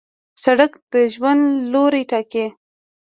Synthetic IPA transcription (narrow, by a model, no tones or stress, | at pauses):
saɽakd̪̥əʒwand̪loɾejʈɑke